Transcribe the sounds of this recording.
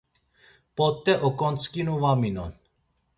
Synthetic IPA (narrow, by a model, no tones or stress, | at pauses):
pɔt̪ːɛʔɔkʼɔnt͡skinuvaminɔ̰n